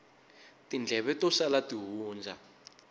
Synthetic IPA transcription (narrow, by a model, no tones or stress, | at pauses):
tind͡ɮʱɛβɛtɔsalatiɦuːnd͡zʱa